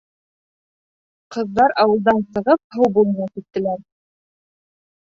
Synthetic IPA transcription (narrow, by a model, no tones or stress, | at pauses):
qɤ̆ðːɑɾɑwɤ̆lˠd̪ɑnsɤ̆ʁɤp̚hɤwbulˠnɑkit̪ːɘ̆læɾ